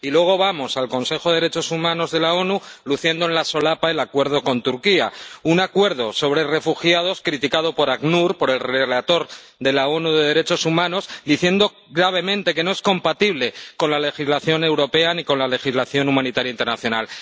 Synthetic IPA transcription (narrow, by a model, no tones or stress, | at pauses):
ilwe̞ɣ̞o̞βamo̞salko̞nse̞xo̞ðe̞eɾet͡ʃo̞sumãno̞zðe̞lao̞nuluθje̞nd̪oenlaso̞lapae̞lakwe̞ɾð̞o̞ko̞nt̪uɾkiaunakwe̞ɾðo̞so̞β̞ɾe̞re̞fuxjað̞o̞skɾit̪ikaðo̞po̞ɾaɣnuɾpo̞ɾe̞lre̞lat̪o̞ɾ | d̪e̞lao̞nuðe̞ðe̞ɾe̞t͡ʃo̞sumãno̞zd̪iθje̞nd̪o̞ | ɡɾaβ̞e̞mẽ̞nt̪e̞ke̞no̞e̞sko̞mpat̪iβle̞ko̞nlale̞xizlaθjo̞ne̞wɾo̞pe̞aniko̞nlale̞xizlaθjo̞numãnit̪aɾjaint̪e̞ɾnaθjo̞nal